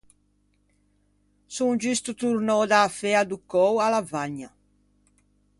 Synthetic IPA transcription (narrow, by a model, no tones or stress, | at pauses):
suŋd͡ʒyst̪ut̪uɾnɔd̪aːfɛad̪ukɔwalavaɲːa